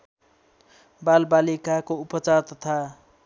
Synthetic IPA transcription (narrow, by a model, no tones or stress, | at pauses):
balbalikakoupʌt͡sart̪ʌt̪ʰa